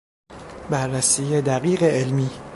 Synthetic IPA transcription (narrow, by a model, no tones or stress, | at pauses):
bæɾːæsiːjed̪æɣiːɣeʔelmiː